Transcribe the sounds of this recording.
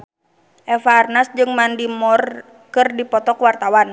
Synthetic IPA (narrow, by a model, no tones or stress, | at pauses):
ʔɛfaːrnasd͡ʒɨŋmandimɔr | kɨrdipɔt̪ɔkwart̪awan